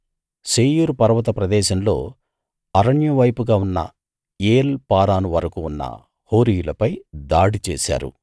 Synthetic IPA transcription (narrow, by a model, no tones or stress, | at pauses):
seːjuɾupɐɾʋɐt̪ɐpɾɐd̪ɛːʃɐmlo̞ː | ɐɾɐɳjɐʋɐjpuɡaːunːɐ̰ | eːlpaːɾaːnuʋɐɾɐkuːnːɐ̰ | ho̞ːɾijulɐpɐjd̪aːɽit͡ʃɛːʃa̰ːɾṵ